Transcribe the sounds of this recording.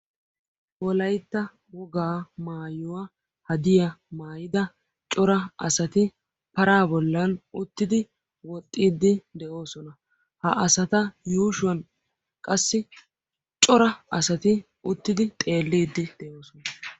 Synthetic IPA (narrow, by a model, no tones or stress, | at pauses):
wɔlɐjt̪ːɐ | wɔɡaːmaːjʊwa | hɐd̪ɪjɐmaːjɪd̪ɐ | t͡ʃʼɔɾɐʔɐsɐt̪ɪ | pɐɾaːbɔlːɐnʊt̪ːɪd̪ɪ | wɔt̪ʼːiːd̪ːɪd̪ɛʔo̞ːsɔnɐ | hɐ̰ʔɐsɐt̪ɐjuːʃʊwɐn | kʼɐsːɪ | t͡ʃʼɔɾɐɐsɐt̪ɪ | ʊt̪ːɪd̪ɪt̪ʼe̞ːlːiːd̪ːɪd̪̥ɛʔo̞ːsɔnɐ